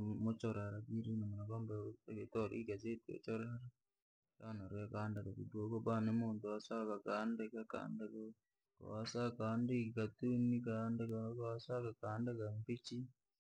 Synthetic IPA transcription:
mot͡ʃoɾaɾaɡiɾinamonakambaeɡetoɾḭɡazetḛt͡ʃoɾaaɾa | kanaɾwekaːndakakidwokobanemoːntoasakakaːndekaka̰ːndeko | ko̰wasakaːndekikatunikandekakaasakakaːndekambit͡ʃi

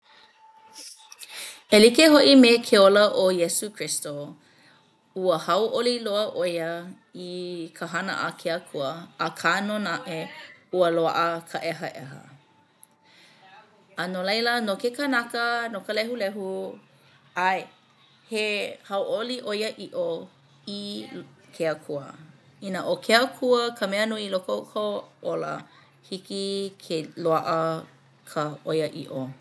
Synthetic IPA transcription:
elikeɦoʔimekʰeoləʔojɛsukʰɹisto | uəhɐwʔoliloəʔojə | ikʰəɦɐnə̰ʔəkʰeɐkʰuəːkʰaːnonaʔeuəloa̰ʔəkʰəʔɛɦɐ̰ʔɛ̰ɦə̰ | ənolejlənokekənɐkənokəlɛɦulɛɦu | aj | hehɐwʔoliʔojəʔiʔo | i | kʰeəkʰuə̰inəʔokʰeəkʰuəkʰəmeənuilokokʰoolə̰ | hikikʰeloaʔə | kʰəojəʔḭʔo

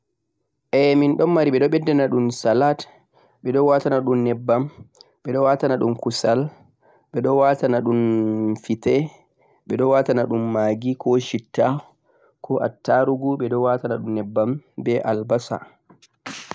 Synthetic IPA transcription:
ʔɛminɗɔnːaɾiɓɛɗɔɓɛdːɛnaɗumsalat | ɓɛɗɔwatanaɗumːɛbːam | ɓɛɗɔwatanaɗumkusal | ɓɛɗɔwatanaɗumfitɛ | ɓɛɗɔwatanaɗumːaːɡikʰɔʃitːa | kɔʔa̰tːaɾuɡuɓɛɗɔwatanaɗumːɛbːambɛʔalbasa̰

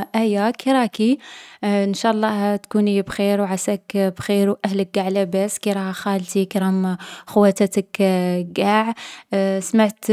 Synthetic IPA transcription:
ʔæjːakiɾˤɑki | ənʃaʔɑlˤːɑt̪kunibxeɾwʕasækbxeɾwʔæhlək̚ɡaʕlæbæskiɾˤɑhxalt̪ikɾˤɑmxʊwæt̪at̪əkɡaʕ | smaʕt̪

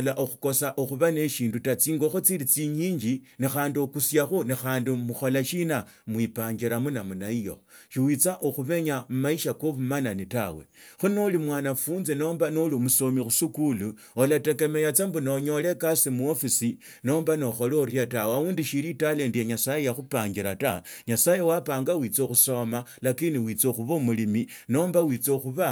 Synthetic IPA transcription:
laʔoxu̥ko̞saʔoxuβane̞ʃiːndutat͡siːŋɡo̞xot͡siɾit͡siɲiːɲd͡ʒinixaːndiokusjaxunixaːndimuxo̞laʃina | mwipaːɲɡeɾamunamunaijo̞̰ʃiwit͡saʔoxuβeɲamumaiʃakoβumananitawe̞̰xunolimwaːnafuːnze̞no̞ːmbanolimusomixusukulu | olatekemejat͡sambuno̞ɲo̞le̞kasimuofisi | no̞ːmbano̞xo̞loɾjatawauːndiʃiɾitale̞ndijeɲasajejaxupaːɲɡiɾataɲasajewapaːŋɡawit͡soxuso̞malakiniwit͡soxuβomulimi | no̞ːmbawit͡soxuβa

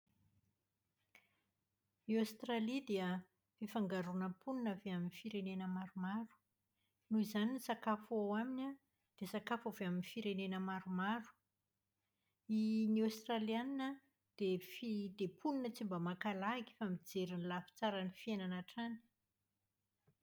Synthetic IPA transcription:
iost̪ralid̪eə | fifaŋɡaɾunəpʰuninaveaminifiɾenenəmaɾumaɾu̥ | nuizaninisakafuawaminʲa | d̪̥esakafaveaminifiɾenenəmaɾumaɾu̥ | iniost̪ralianinə | d̪̥efid̪̥epʰuninət͡simbəmakalaiki̥famid͡zeɾinilafi̥t͡saɾanifienanaʈ͡ʂani̥

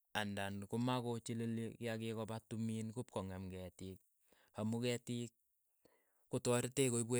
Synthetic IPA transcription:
andankumakot͡ʃilelikɪjakekɔbatuminkup̚kɔŋɛmkɛtik̚ː | amukɛtik̚ː | utɔɾtekoibwe

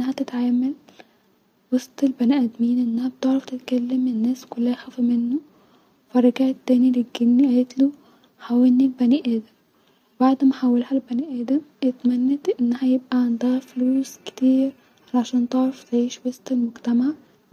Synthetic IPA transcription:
ʔenːæɦæt̪et̪ʕaːmæl | wɑsˤt̪ˤelbænæʔæd̪miːnʔenːæhæb̚t̪eʕɾɑft̪et̪kælːemenːæːskʊlːæhæxæːfimenːo | fɑɾˤɑɡæːt̪ːæːniɾeɡːelniet̪lu | ħawelnːilbæniʔæːd̪æm | webaʕd̪mæħawːelhælbæniʔæːd̪æmʔet̪mænːæt̪ʔenːæhæjeb̚ʔæʕand̪æɣæfluːskt̪iːɾ | ʕalaʕaʃæːnt̪eʕɾɑft̪ʕiːʃwɑsˤt̪ˤelmoɡt̪æmaʕ

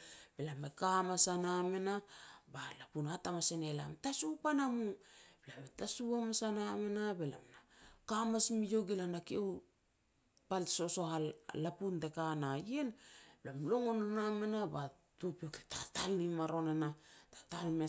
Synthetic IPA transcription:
b̥elamekamasaname̞nabalapunatamasene̞la̰mtasupanamublametasuamasaname̞nabe̞la̰mnakamasmijo̞ɡilanakiew | palso̞so̞hallapuntekanajenblamlo̞ŋonanamenaba | tupioketatalnimaɾo̞nanatḁtalme

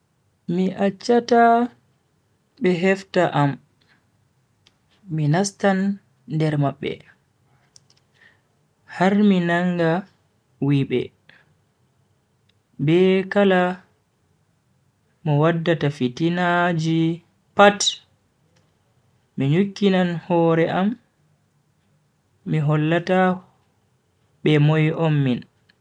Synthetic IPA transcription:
miʔat͡ʃːata | ɓɛɦɛftaʔam | inastanː | dɛɾmaɓːɛ̰ | haɾminaŋɡa | wiɓɛ̰ | bɛkala | mɔwadːatafitinad͡ʒi | pat | miɲukːinanhɔːɾɛʔam | iɦɔlːata | ɓɛmɔjʔɔmːin

